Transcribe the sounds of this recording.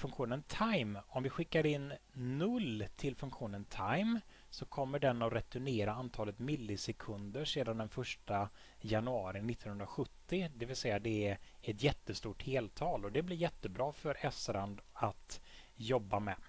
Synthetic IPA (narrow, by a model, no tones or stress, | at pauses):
fɵŋkɧuːnənt̪ʰajmɔmvɪɧɪkːaɾɪnːɵlːt̪ʰɪlfɵŋkɧuːnənt̪ʰajm | sɔkʰɔmːəɖɛnːɔɾɛt̪ɵneːɾaant̪ʰɑːlət̪mɪlːɪsɛkʰɵnd̪əʂeːd̪and̪ɛnfœʂʈa | janɵɑːɾɪnɪt̪ːɔnhɵnd̪ɾaɧɵt̪ːɪd̪ɛvɪlsɛjːad̪ɛæɛt̪jɛt̪ːəst̪uːʈheːlt̪ʰɑːlɔd̪ɛblɪɾjɛt̪ːəbɾɑːfœɾɛsɾand̪at̪ | jɔbːamɛ